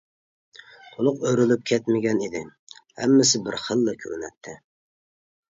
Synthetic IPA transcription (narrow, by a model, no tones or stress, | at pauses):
t̪ʰolˠʊqøɾylyp̚kʲʰɛt̪mɪɡʲɛnid̪ɪhɛ̰mːɪsɪbɪɾχəlˠːɨkʲʰø̰ɾnɛ̰t̪ʰːɪ